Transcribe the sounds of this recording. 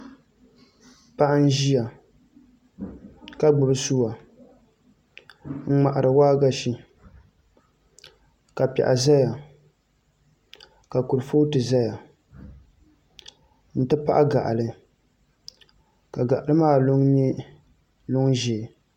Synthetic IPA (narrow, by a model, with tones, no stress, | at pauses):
pa˦ʔa˦n̩˦ʒi˦ja˨ | ka˦ɡ͡bʊ˨bɨ˦su˦wa˨ | ŋ̩˦ŋ͡ma˨ʔa˨ɾɨ˨waː˦ɡa˦ʃi˦ | ka˨pɛ̰˨ʔa̰˨za˦ja˨ | ka˨kʊ˨ɾfo˦tɨ˨za˦ja˨ | n̩˨tɨ˦pa̰˦ʔa˦ɡa̰˨ʔa̰˨lɨ˨ | ka˨ɡa˨ʔa˨lɨ˦maː˦˨lʊ˦ŋɲi˦ | lʊ˦ŋʒeː˨